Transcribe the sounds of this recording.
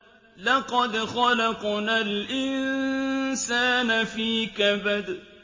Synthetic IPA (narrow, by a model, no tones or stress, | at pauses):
laqɔd̪xɔlaqʊnalʔɪn | saːnafiːkabad̪